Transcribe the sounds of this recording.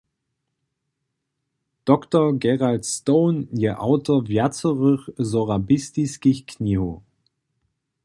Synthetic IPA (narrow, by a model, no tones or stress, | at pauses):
d̥ɔktəɡɛʁaltstoːnjəʔa̰ʊtovjat͡səʁʏχzoʁabɪstiskɪçkʰniho